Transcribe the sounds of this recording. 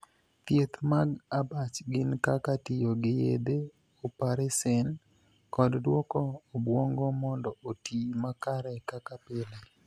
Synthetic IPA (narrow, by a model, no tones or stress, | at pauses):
t̪jet̪maɡabat͡ʃɡɪnkakatɪjoɡɪjḛd̪e | opaɾesɛn | kɔddwɔkɔːbwɔŋɡɔmɔndɔʔotimakaɾɛkakapɪle